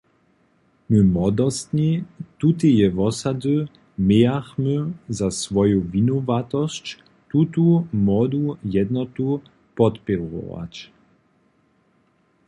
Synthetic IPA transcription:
məmɔd̪ɔst̪ɲit̪ut̪̬ijɛvɔsad̪ə | mejaxməzasvɔjovinɔvat̪ɔst͡ɕ | t̪ut̪umɔd̪ujɛd̪nɔt̪u | pɔt̪pɛɾɔ̰va̰t͡ɕ

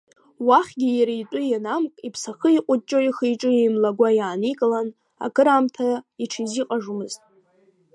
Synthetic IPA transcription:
waχʲɡʲijaɾijtʼʊjanamkʼipʰsaχəiqʷʼʊt͡ʃʼoiχijʈ͡ʂʼɨimlaɡʷajaːnikʼɨlan | a̰kʰɨɾamtʰaiʈ͡ʂʰiziqʼaʐumɨztʼ

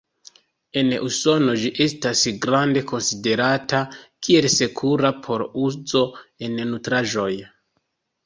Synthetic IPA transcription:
e̞nuso̞no̞d͡ʒiʔe̞stasɡɾande̞ko̞nside̞ɾatakʰie̞lse̞kʰuɾapʰo̞ɾuzo̞e̞nnutɾaʒo̞j

